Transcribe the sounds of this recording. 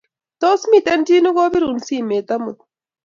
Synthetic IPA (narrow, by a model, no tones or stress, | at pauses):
t̪oːsmit̪entinuɡoːbiɾunsimeːt̪ɐmut̪̚